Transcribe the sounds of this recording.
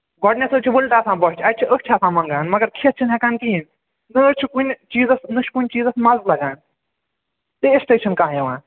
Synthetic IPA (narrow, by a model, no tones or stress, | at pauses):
ɡɔɖnʲesɨt͡ʃʰibulʈaːsãːbɔɦt͡ʃʰiɐt͡ʃʰiʔəkʰt͡ʃʰaːsãːmɐŋɡaːnmɐɡɐɾkʰit̪̚t͡ʃʰinɦekaːnk̪iin | nɨət͡ʃʰikunʲt͡ʃiːzɐsnɨʃʰkunʲt͡ʃiːzɐsmɐzlɐɡaːn | t̪eesʈeːʃʰɐnkãːɦjɐʋã̰ː